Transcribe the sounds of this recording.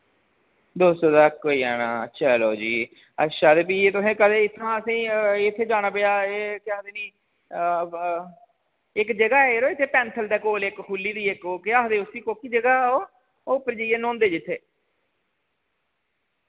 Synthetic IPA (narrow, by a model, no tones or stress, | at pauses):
d̪oːst̪oːd̪aːkːoːiːɛːnaːətːʃʰaːloːd͡ʒiː | ə̰ʃaːd̪ep̬iːeːt̪ʊsẽːkəd̪eːɪt̪ʰːãːəsĩːɪt̪ʰːeːd͡ʒaːɽ̃aːpɪjaːeːkɪaːd̪eːnĩː | ɪkd͡ʒəɡaːeːɾoːɪt̪ʰːeːpɛːnt̪ʰəld̪ɛːkoːlekkʰulːiːd̪iːɪkoːkɪaːɦd̪eːʊsiːkoːkiːd͡ʒəɡaːoː | oːpəɾd͡ʒəieːnõːnd̪eːd͡ʒɪt̪ʰːeː